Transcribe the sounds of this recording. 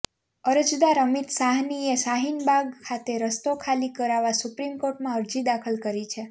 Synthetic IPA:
əɾəd͡ʒd̪aɾəmit̪saɦniesaɦinbʱaɡkʰat̪eɾəst̪okʰalikəɾaʋasupɾimkoɾʈmãəɾd͡ʒid̪akʰəlkəɾit͡ʃʰe

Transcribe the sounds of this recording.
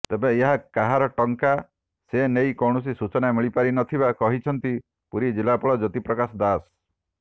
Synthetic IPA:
t̪ebeeɦakaɦaɾɔʈɔŋka | senejkɔwɽ̃ɔs̬isut͡ʃɔnamiɭipaɾinɔt̪ʰibakɔɦit͡ʃʰɔnt̪i | puɾid͡ʒilapɔɭɔd͡ʒɔt̪ipɾɔkasɔd̪as

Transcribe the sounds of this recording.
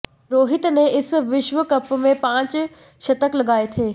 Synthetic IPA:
ɾoːɦɪt̪nẽɪsʋɪʃʋəkɐpmẽpãːt͡ɕ | ʃɐt̪əklɐɡaːet̪ʰeː

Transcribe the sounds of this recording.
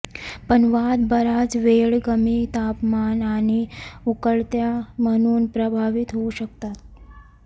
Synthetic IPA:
pəɳʋad̪bəɾad͡zʋeɭɡəmit̪apmanañiukəɭt̪jaməñuːnpɾəbʱaʋit̪ɦouɕək̚t̪at̪̚

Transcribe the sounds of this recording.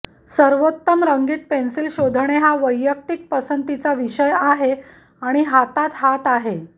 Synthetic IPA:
səɾʋot̪ːəmɾəŋɡiːt̪̚pensilɕod̪ʱɳ̃eɦaʋəjːək̚t̪ik̚pəsənt̪it͡saʋiɕəjaɦe | aɽ̃iɦat̪at̪ɦat̪aɦe

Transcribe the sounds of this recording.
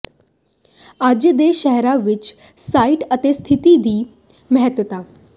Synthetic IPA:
ad͡ʑəd̪eʃəɦɾaʋɪt͡ʃ | saːiʈət̪est̪ʰɪt̪id̪iː | məɦət̪ʋət̪aː

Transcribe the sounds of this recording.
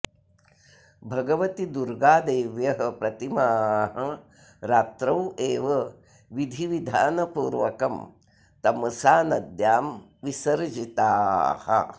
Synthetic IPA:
bʱɐɡɐʋɐt̪id̪uɾɡaːd̪eːʋjɐɦɐpɾɐt̪imaːɦɐ | ɾaːt̪ɾɐweːʋɐ | ʋid̪ʱiʋid̪ʱa̰ːnɐpuːɾʋɐkɐm | t̪ɐmɐsaːnɐd̪jaːm | ʋisɐɾd͡ʒit̪aːhɐ̰

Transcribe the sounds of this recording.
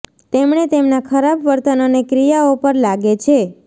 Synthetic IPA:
t̪emɳet̪emnakʰəɾabʋəɾt̪ənonekɾijaopəɾlaɡet͡ʃʰe

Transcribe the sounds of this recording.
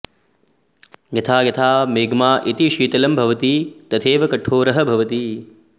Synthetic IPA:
ɡɐt̪ʰaːɡɐt̪ʰaːmeːɡmaːʔit̪iʃiːt̪ɐlɐmbʱɐʋɐt̪it̪ɐt̪ʰeːʋɐkɐʈʰːoːɾɐɦɐbʱɐʋɐt̪i

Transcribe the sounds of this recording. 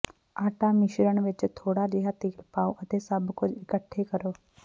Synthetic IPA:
aːʈaːmɪʃɾəɳʋɪt͡ʃt̪ʰoːɽaːd͡ʒɪɦaːt̪ɪːlpaːoːʔət̪eːsəbkʊd͡ʒɪkəʈʰːeːkəɾoː

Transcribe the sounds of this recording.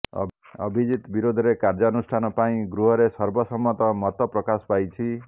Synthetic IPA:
ʌ̰bʱid͡ʒit̪biɾod̪ʱɔɾekaɾd͡ʒɔːnusʈʰanɔpaĩɡɾuɦɔɾesʌɾbɔsɔmːɔt̪ɔmɔt̪ɔpɾɔkaspajt͡ʃʰi

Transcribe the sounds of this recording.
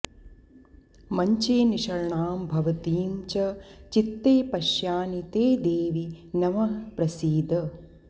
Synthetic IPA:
mɐɲt͡ʃeːniʃɐɾɳaːmbʱɐʋɐt̪iːmt͡ʃɐt͡ʃit̪ːeːpɐʃjaːnit̪eːd̪eːʋinɐmɐpɾɐsiːd̪ʱɐ

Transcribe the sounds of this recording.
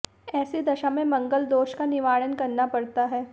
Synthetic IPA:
ɛːsed̪ɐʃamẽmɐ̃ŋɡəld̪oːʃkanɪʋaːɭənkɐɾnapɐɽt̪aɦɛː

